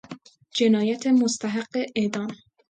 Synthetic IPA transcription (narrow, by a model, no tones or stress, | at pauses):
d͡ʒenɒːjæt̪ʰemost̪ʰæɦaɢːeʔed̪ɒːn